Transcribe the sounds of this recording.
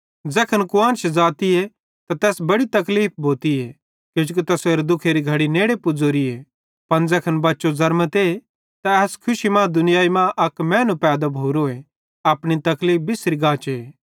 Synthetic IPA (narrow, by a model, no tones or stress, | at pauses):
d͡zɛːkʰənkʊãːnt͡ʃʰd͡zaːt̪ie | t̪at̪ɛːsbɐɽit̪ɐkliːp̚ʰbʱoːt̪ie | kjõːd͡ʒuk̬it̪ɐseːɾd̪ʊkʰeɾiɡʱɐɽineːɽepʊd͡zoːɾie | pɐnd͡zɛkʰɐnbɐtːʃozɐɾmət̪e | t̪aɛːskʰʊʃimãːd̪ʊnɪjaːimãʔɐkmɛ̃ːnũpɛːd̪abʱoːɾoːe | ɐːpɽ̃it̪ɐkliːp̚ʰbɪsɾiɡaːt͡ʃeeː